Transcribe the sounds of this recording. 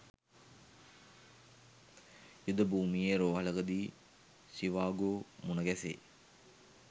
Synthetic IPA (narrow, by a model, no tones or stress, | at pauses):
jud̪əbuːmijeɾoːɦɐləɡəd̪iː | siʋaːɡoːmunɐɡɛsḛ